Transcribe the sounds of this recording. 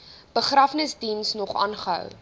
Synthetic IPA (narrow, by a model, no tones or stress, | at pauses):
b̥əχrɐfnəsdinsnɔχɑ̰ːnχəɦœ̰w